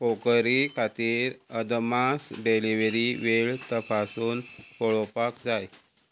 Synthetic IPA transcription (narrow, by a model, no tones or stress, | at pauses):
okəɾikʰat̪iːɾəd̪masɖeliʋəɾiʋeɭt̪əpʰasuːnpɔɭɔpakd͡zaj